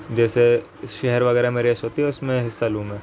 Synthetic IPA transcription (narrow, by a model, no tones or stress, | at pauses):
d͡ʒɛːse | ʃɛɦɛɾʋɐɣɛːɾamẽɾeːʃɦoːt̪iɦɛʊsmẽɦɪsːaluːmɦɛː